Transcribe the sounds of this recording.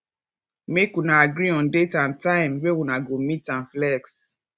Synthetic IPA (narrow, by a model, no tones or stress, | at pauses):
mekunaaɡɾiɔ̃ndetãntãɪ̃mwewunaɡomitãnflɛks